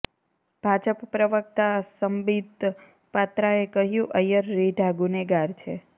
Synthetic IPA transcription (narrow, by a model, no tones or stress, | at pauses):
b̥ʱad͡ʒəppɾəʋək̚t̪asəmbid̪ | pat̪ɾaekəɦjũʔəjəɾːiɖʱaɡuneɡaɾt͡ʃʰe